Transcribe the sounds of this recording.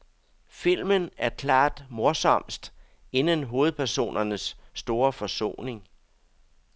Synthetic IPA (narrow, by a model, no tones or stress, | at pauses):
fil̰mənæɐkʰlɑ̰̈ːd̥moɐsɒ̽m̰sd̥ | e̝nənɦo̝ːð̞̩ˠpʰæɐso̝̰ːnʔɐnəsːd̥o̝ːɐfɒ̽so̝̰ːne̝ŋ